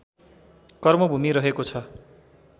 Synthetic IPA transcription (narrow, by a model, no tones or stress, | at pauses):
kʌrmʌbʱumiɾʌɦekot͡sʰʌ